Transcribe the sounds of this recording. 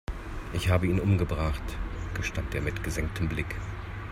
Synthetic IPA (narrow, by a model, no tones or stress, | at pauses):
ʔɪçhaːbəiːnʔʊmɡəbʁaχtɡ̥əʃtanteːɐmɪtɡ̥əzɛŋk̚tʰəmblɪk